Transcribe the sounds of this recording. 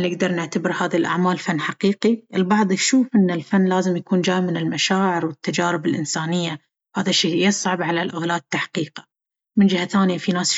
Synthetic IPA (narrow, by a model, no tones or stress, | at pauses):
nɪɡd̪ɑɾˤnɪʕt̪abɪɾhaːðilʔa̰ʕmaːlfanːħaqiːqiʔɪlbɑʕðˤjʃuːfʔɪnːɪlfanːlaːzɪmjakuːnd͡ʒaːjmɪnɪlmaʃaːʕɪɾwɪt̪ːad͡ʒaːɾɪbɪlʔɪnsaːnɪjːa | haːðaʃːiːjɪsˤʕɑbʕalalʔʊɣlaːt̪ːaħqiːqḁ | mɪnd͡ʒɪhaθaːnɪjafinaːs